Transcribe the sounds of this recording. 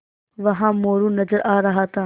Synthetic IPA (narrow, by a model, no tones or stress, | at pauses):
ʋɐɦãːmoːɾũːnɐd͡ʒəɾʔaːɾɐɦaːt̪ʰãː